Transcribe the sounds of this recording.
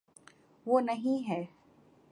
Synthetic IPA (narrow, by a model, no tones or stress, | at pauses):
ʋoːnɐɦĩɦɛː